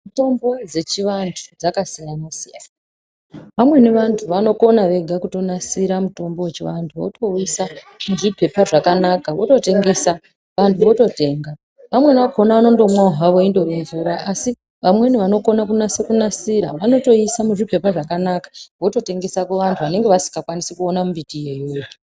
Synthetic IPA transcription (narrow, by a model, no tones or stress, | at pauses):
mito̞mbo̞d͡ze̞t͡ʃiʋantʰu̥d͡zakasijanosija̰naa | pamwe̞neʋantʰuʋano̞ko̞naʋe̞ɡʱakuto̞nasiɾamuto̞mbowet͡ʃiʋantʰuʋo̰to̞isa | muʐipʰe̞paʐakanakaʋo̞to̞te̞ŋɡe̞sa | ʋantʰuʋo̞to̞te̞ːŋɡa | ʋamwe̞neakonaʋano̞ndo̞mwaɦaʋo̞indo̞ʋeɱvuɾaʔasi | ʋamwe̞niʋano̞ko̞nakunasekunasiɾa̰ʋano̞to̞isamuʐipe̞paʐakanakḁʋo̞to̞te̞ŋɡe̞sakuʋantʰuʋane̞ŋɡe̞ʋasi̥ŋɡakwanisekuo̞namumbitije̞joːji